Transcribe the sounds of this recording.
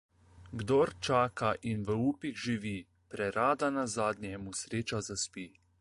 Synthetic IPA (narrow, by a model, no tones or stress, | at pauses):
ɡd̪oɾt͡ʃaːkaʔinʋəuːpiɣʒiʋiː | pɾɛɾaːd̪anazaːd̪nʲjɛmusɾeːt͡ʃazaspiː